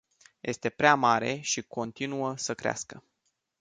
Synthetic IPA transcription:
jʔe̞st̪e̞pɾeamaɾe̞ʃiko̞nt̪inuəsəkɾea̰skə

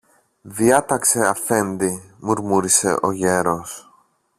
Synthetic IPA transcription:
ðiɐt̪ɐkse̞ɐfe̞nd̪imuɾmuɾise̞̰ʔo̞ʝe̞ɾo̞s

